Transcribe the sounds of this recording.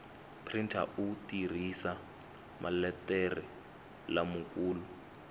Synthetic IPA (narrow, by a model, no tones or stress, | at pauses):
pʰrintʰa̰ʔutir̤isa | mʔa̰lɛtɛrɛ | lamukʼuːlu